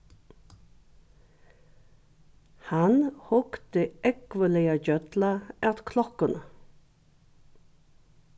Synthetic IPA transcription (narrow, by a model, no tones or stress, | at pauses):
hɑnhʊkt̪əʔɛkʋəlɛɑɟœt̪lɑʔɛt̪kʰlɔkən